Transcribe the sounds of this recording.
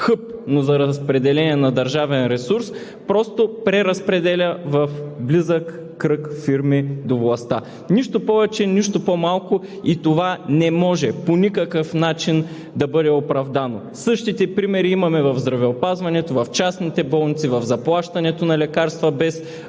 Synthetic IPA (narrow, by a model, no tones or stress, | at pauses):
xɤp̚nozɐɾɐspɾɛd̪ɛlɛniɛnɐd̪ɐɾʒavɛnɾɛsuɾs | pɾɔst̪opɾɛɾɐspɾɛd̪ɛlʲɐvɐfblizəkː | ɾɤkfiɾmid̪ovlˠɐst̪a | niʃt̪opɔvɛt͡ʃɛniʃt̪opomalˠkʊ | it̪ovanɛmɔʒɛponʲikɐkəfnat͡ʃin | d̪ɐbɤd̪ɛopɾɐvd̪ano̰ | sɤʃt̪it̪ɛpɾimɛɾiimɐmɛvɐvzd̪ɾɐvɛopazvɐnɛt̪ovɐft͡ʃasnit̪ɛbɔlˠnit̪sivɐvzɐplˠaʃt̪ɐnɛt̪onɐlɛkaɾst̪vɐbɛs